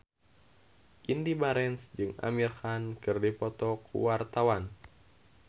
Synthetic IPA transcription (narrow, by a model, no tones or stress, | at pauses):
ʔindibaɾɛnsd͡ʒɨŋa̰mirxankɨrdipɔt̪ɔkʰṵwart̪awan